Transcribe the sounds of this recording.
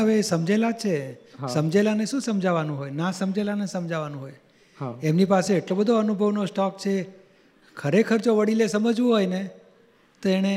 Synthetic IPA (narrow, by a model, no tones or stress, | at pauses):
ɦəʋesəmd͡ʒelat͡ʃʰesəmd͡ʒelaneʃũsəmd͡ʒʱaʋanũɦojnasəmd͡ʒelanesəmd͡ʒʱaʋanũɦoj | emnipaseːʈlobəd̪ʱoənubʱəʋnosʈɔk̚t͡ʃʰe | kʰəɾekʰəɾd͡ʒoʋəɽilesəməd͡ʒʋũɦojne | t̪oeɽ̃e